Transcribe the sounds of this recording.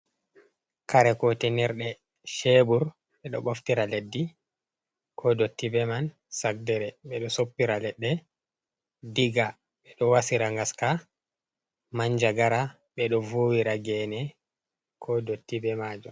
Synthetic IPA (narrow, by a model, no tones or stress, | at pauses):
kaɾɛkɔtɛnɛɾɗɛ | ʃebuɾ | ɓɛɗɔ̰ɓoftiɾaledːi | kʰɔdotːibɛman | sak̚dɛɾɛɓɛɗɔsopːiɾalɛɗːɛ | diɡa | ɓɛɗɔwasiɾaŋɡaska | maɲd͡ʒaɡaɾa | ɓɛɗɔvoːwiɾaɡɛnɛ | kʰɔdotːibɛmad͡ʒɔ